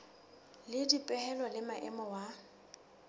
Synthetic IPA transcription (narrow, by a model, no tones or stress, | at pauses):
lɪdipʼɛhɛlɔlɪmaʔɛ̰mɔwa